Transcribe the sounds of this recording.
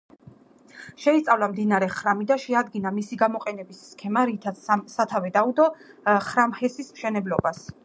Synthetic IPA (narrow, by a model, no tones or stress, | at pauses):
ʃɛist̪sʼavlamd̪inaɾɛχɾamid̪aʃɛad̪ɡinamisiɡamɔqʼɛnɛbisːkʰɛmaɾit̪ʰat̪ssat̪ʰavɛd̪aud̪ɔχɾamhɛsismʃɛnɛblɔbas